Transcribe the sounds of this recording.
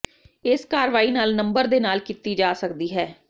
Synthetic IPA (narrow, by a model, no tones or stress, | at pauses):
ɪskaːɾʋaːiːnaːlnəmbəɾd̪eːnaːlkit̪iːd͡ʒaːsəkd̪iːɦɛː